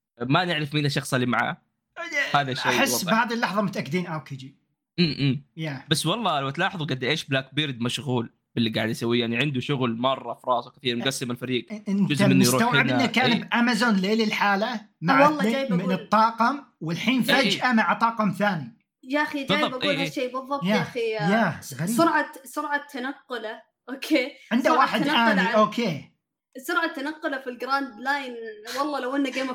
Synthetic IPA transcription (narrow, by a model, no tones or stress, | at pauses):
manɪʕɾɪfmiːnaʃɑxsˤalimaʕa̰ː | haːðaʃajħɪwɑːhaːðilːɑħðˤɑmʊt̪ʔakːd̪iːnʔawked͡ʒi | ʔːʔːjabasːwɑlˤːɑːlawt̪lɑːħɑðˤuɡad̪ːaʔeːʃblaːk̚biɾd̪maʃɣuːl | b̥ɪlːiɡaːʕɪd̪jasawːijaʕniʕɪnd̪uʃʊɣlmɑrˤːɑfɾˤɑːswkɪθiːɾmʊɡasːɪmalfaɾiːɡɪnd͡ʒʊzamɪnːjɾuːawʕɪd̪nnːakaːnbʔamazoːnleːlɪlħaːlamaʕwɑlˤːɑaːbmɪnɨt̪ˤːɑːqɑmwɪlħiːnfad͡ʒʔamaʕt̪ˤɑːqɑmθaːni | jaʔxid͡ʒaːjbʔaɡuːlhaʃeːbɨðˤːɑb̚jaxijaxaɾiːsʊɾˤʕasʊɾʕat̪ʰːanaqːʊla | ʔoːkʰeːʕɪnd̪awaːħɪd̪ʔaːniʔoːkeː | sʊɾʕat̪ːanaqːʊlafilɡɾaːnd̪laːjnwɑlˤːɑːlawʔɪnːaɡeːma